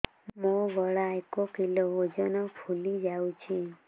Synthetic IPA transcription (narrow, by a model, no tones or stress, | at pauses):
moʋɔɭaekokiloɦod͡ʒɔnɔpʰulid͡ʒawt͡ʃʰi